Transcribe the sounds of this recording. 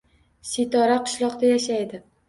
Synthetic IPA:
sit̪ɒɾaqʰʊ̥ʃlˠɒqd̪ajaʃajd̪ɪ

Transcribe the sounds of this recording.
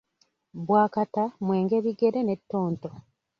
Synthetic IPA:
bwaːkatamwe̞ːŋɡe̞βiɡe̞ɾe̞ne̞tːo̞ːnto

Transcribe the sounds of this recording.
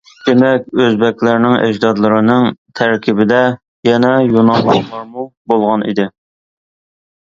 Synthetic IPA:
d̪̥emɛkʲøzbɛkʲlɪɾnɪŋæ̰d͡ʒd̪ɑd̪lˠɨɾɨnɨŋt̪ʰæɾkʲʰibɪd̪ɛ | jɛnɛjonɑmlˠɑqlˠɑɾmubolˠʁɑnḭd̪ɪ

